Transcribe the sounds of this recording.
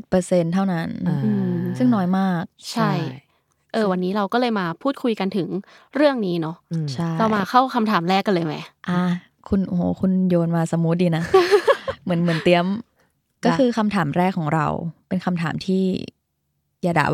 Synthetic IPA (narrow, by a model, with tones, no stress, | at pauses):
pɤː˧se˧nt̪ʰa˥˩wna˦˥nʔɯː˧sɯ˥˩ŋnɔː˦˥jmaː˥˩k̚t͡ɕʰa˥˩j | ʔɤː˧wa˧nːiː˦˥ɾa˧wkɔː˥˩lɤː˧jmaː˧pʰuː˥˩t̪̚kʰu˧jka˧nt̪ʰɯ˨˩˦ŋɾɯ˥˩əŋniː˦˥nɔ˦˥t͡ɕʰa˥˩la˧wmaː˧kʰa˥˩wkʰa˧mt̪ʰaː˩˦mɾɛː˥˩kːɔ˥˩lɤː˧jma˦˥jʔa˧˩ | kʰu˧nʔu˧hoː˨˩˦kʰu˧njoː˧nmaː˧sa˧˦mːu˦˥t̪̚ʔiː˧na˦˥ | mɯ˩˦nmɯ˩˦nt̪i˧˩əm | kɔː˥˩xɯː˧kʰa˧mt̪ʰaː˩˦mɾɛː˥˩kʰːɔː˩˦ŋɾa̰˧wpe˧nkʰa˧mt̪ʰa̰ː˩˦mt̪ʰiː˥˩ | jaː˧da̰˨˩